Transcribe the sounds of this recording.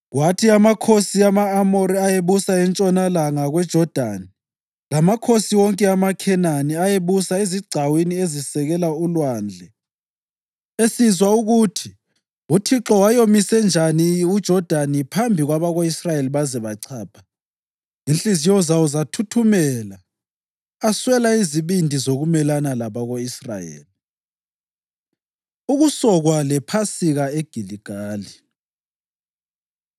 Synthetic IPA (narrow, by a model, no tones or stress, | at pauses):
ɣwatʰiamakʰosiamaːmoɾiajeβusaɛnt͡ʃʼɔnalaŋaɣwɛd̥ʒ̥ʱɔd̥ʱani | lamakʰosiwɔŋkʼɛamakʰɛnaniajeβusaiziɡ͡ǀʱawiniezisɛɣɛlaulwaːnd͡ɮʱɛ | esizwauɣutʰi | utʰiǁɔwajomisɛnd͡ʒʱaniud̥ʒ̥ʱɔd̥ʱanipʰambʱiɣwaβaɣoisrajeliβazɛβaǀʰaːpʰa | inɬʼizijɔzauzatʰutʰumɛla | aswɛlaiziβindʱizoɣumɛlanalaβaɣoisra̰jḛːli | uɣusɔɣwalɛpʰasiɣaeɡ̥ʱiliɡ̥ʱaːli